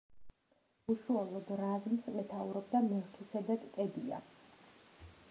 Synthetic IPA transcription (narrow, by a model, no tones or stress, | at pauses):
uʃualˠɔd̪ɾazmsmɛt̪ʰauɾɔb̚d̪amɛʁt̪ʰusɛd̪at̪ʼkʼɛd̪ia̰